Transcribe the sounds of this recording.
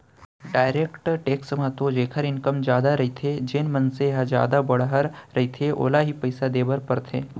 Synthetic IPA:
ɖaːɪɾeːkʈʈeːksmãt̪od͡ʒeːkʰəɾɪ̃nkəmd͡ʒjaːd̪aɾɐɦit̪ʰed͡ʒeːnmɐnseɦad͡ʒja̰ːd̪abɐɽ̤ɦəɾɾɐɦit̪ʰeʔo̰ːlaɦipɐɪsad̪eːbəɾpɐɾt̪ʰeː

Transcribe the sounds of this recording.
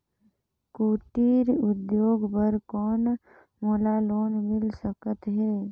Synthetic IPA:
kuːʈiːɾʊd̪joːɡbəɾkɔːn | moːlaːloːnmɪlsəkət̪ɦɛː

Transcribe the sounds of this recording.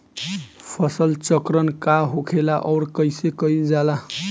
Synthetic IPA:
pʰʌsʌlt͡sʌkɾʌnkaɦokʰelaʔʌwɾkʌjsekʌjd͡zala

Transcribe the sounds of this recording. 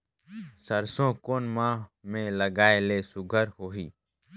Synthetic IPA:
səɾsõkoːnmãːmẽləɡaːelesʊɡʱəɾɦoːɦiː

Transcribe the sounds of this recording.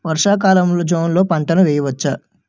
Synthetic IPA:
ʋɐɾʂaːk̬aːlɐmlod͡ʒoːnlo̞ːpɐɳt̪ɐnɐʋɛːjɐʋɐt͡ʃːa

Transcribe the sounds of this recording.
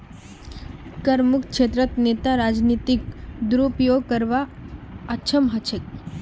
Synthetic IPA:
kəɾmukʃet̪ɾət̪net̪aɾad͡ʒnit̪ikd̪uɾupjoɡkəɾʋaət͡ʃʰəmɦət͡ʃʰek̚

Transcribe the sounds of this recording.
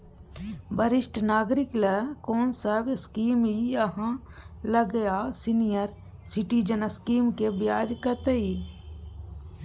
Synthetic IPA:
bəɾɪʃʈnaːɡɾɪkləkoːnsəbskiːmɦiɐɦã | ləɡəjasɪnijəɾ | sɪʈid͡ʒənəskiːmkebɪjaːd͡ʒkət̪ei

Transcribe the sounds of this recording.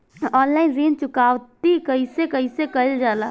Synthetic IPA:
ɔːnlaːɪnziːnt͡ʃʊkaːʋt̪ikɐɦisekɐɦisekɐld͡ʒaːla̰ː

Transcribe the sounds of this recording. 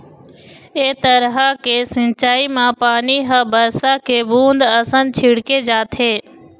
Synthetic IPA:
eːt̪əɾɦakeːsɪ̃nt͡ʃaːimãpaːniɦãbəɾsakʰeːbũːnd̪əsə̃nt͡ʃʰɪɽked͡ʒaːt̪ʰeː

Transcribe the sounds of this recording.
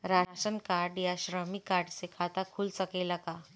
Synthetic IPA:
ɾaɕənkaɾɖjaɕɾəmikaɾɖsekʰat̪akʰuːlsəkelaka

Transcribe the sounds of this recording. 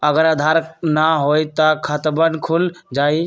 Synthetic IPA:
əɡəɾad̪ʱaɾnaɦojt̪ɔkʰət̪bənkʰuld͡ʒaj

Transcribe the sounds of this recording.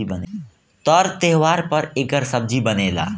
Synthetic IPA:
ibəne | t̪ɔɾt̪eɦʋaːɾpəɾɪɡəɾsəb̚d͡ʒʱibəneːla̰ː

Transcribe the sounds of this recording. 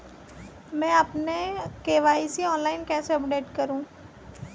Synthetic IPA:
mɛ̃ːɐpnekeːʋaːisiɔːnlaːɪnkɛ̃ːseɐpɖeːʈkɐɾũː

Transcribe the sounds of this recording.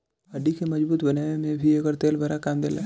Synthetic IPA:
ɐɖikemɐd͡ʒbuːt̪bɐnaːemẽbʱiɐɡəɾt̪eːlbʱaɾakaːmd̪eːlaː

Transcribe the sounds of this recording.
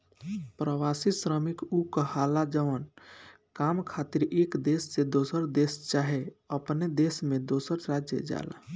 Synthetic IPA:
pɾəwasisɾəmikukəhalad͡ʒəʋən | kaːmkʰaːt̪iɾeːkd̪esːed̪osəɾd̪eːst͡ʃaɦeəpned̪eːsmẽd̪osəɾɾad͡ʒjə̰d͡ʒa̰la̰

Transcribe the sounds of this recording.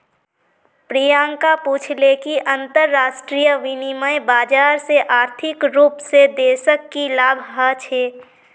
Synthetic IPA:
pɾijaːŋkapuːt͡ʃʰlekiʔə̃nt̪əɾːaːsʈɾijəʋɪniməjbaːd͡ʒaːɾseʔaːɾt̪ʰɪkɾuːpsed̪eːsəkːilaːbʱɦət͡ʃʰeː

